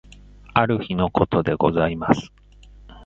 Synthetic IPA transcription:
aɾɯ̟çino̞ko̞t̪o̞d̪e̞ɡo̞̰zaimasɨ̥

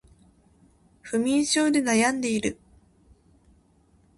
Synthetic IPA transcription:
ɸɯ̟mʲĩɰ̃ɕo̞ːd̪e̞najãnd̪e̞iɾɯ̟

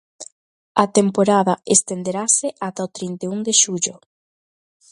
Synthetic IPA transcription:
at̪empoɾaðaest̪end̪eɾaseʔat̪aot̪ɾint̪euŋd̪eʃuʎo

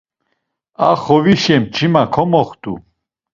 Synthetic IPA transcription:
aχɔviʃɛmt͡ʃʰimakʰɔmɔχt̪ʼṵ

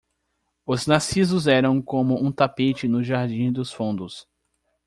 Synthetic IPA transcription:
ʊznasizʊzɛɾɐ̃w̃kõmʊũt̪apet͡ʃɪnʊʒaɾd͡ʒĩd̪ʊsfõnd̪ʊs

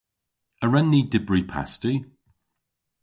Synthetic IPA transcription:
əɹɛnːidɪbɹiːpʰa̰sti

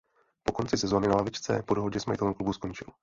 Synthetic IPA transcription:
po̞ko̞nt͡sɪsɛzo̞ːnɪnalavɪt͡ʃt͡sɛ̰po̞do̞ɦo̞ɟɛsmajɪt̪ɛlɛmklubusko̞nt͡ʃɪl

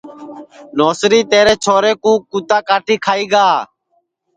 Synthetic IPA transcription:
noːsɾiːt̪eːɾeːt͡ʃʰoːɾeːkũːkːuːt̪aːkaːʈʰiːkʰaːiːɡaː

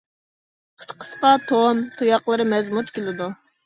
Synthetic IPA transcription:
qʰʊ̥t̪qʰə̥sqɑt̪ʰomt̪ʰojɑqlˠəɾɨmɛzmut̪kʲelɪd̪u

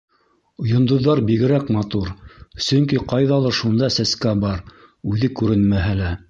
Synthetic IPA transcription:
ŏjŏnd̪ŏðːɑɾbiɡɘ̆ɾækmɑt̪uɾsɵ̆ŋkiqɑjðɑlˠɑʃund̪ɑsæskæbɑɾ | ʉðɘkʉɾɘnmæɦælæ

